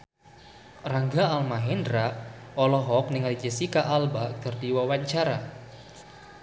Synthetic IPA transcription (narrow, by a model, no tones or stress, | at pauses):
raŋɡaalmaɦɛndɾaʔɔlɔɦɔk̚niŋalid͡ʒəsikaʔalbaɡardiwawaɲt͡ʃaɾa